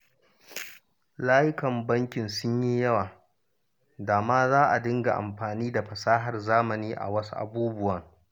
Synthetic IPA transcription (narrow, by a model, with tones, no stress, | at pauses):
laː˦jɪ˦kɐ˨mbɐ˦ŋkʲɪ˨nsʊ˦ɲji˦jɐ˦waː˨ | daː˨maː˦zaː˦ʔa˨dɪ˦ŋɡa̰˨ʔa̰˨mɸaː˨niː˦da˨ɸɐ˨saː˦ɦɐ˨rzaː˦mɐ˨niː˦ʔa̰˨wɐ˦su˦ʔa̰˨buː˦bʊ˦wɐ˨ŋ